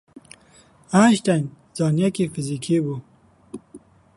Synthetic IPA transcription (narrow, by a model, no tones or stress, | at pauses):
ãːʃt̪an | zɑːnjɐkifizikʰiːbu